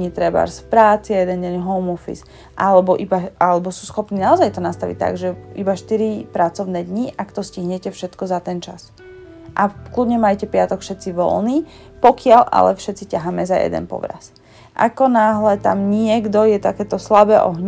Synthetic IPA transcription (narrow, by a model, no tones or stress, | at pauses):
ɲit̪ɾɛba̰ɾsfpɾaːt͡siajɛd̪ɛnɟɛɲɦɔʊmɔfḭs | ʔalɛbɔʔibaalɛbɔsuːsxɔpniːnaɔzajt̪ɔnast̪aʋḭc̚t̪ːa̰ɡʒɛʔibaʃt̪iɾipɾat͡sɔʊnɛːd̪ɲiʔakt̪ɔsciɦɲɛcɛfʃɛt̪kɔzat̪ɛnt͡ʃas | ʔaklud̪ɲɛmajcɛpɪat̪ɔkfʃɛt̪t͡siʋɔ̰lniː | pɔkɪaʎʔa̰lɛ̰fʃɛt̪t͡sicaɦaːmɛzajɛ̰d̪ɛ̰npɔ̰ʋɾa̰s | ʔa̰kɔnaːɦlɛt̪a̰mɲɪɛɡd̪ɔjɛt̪akɛːt̪ɔslabɛːʔɔ̰ɦɲ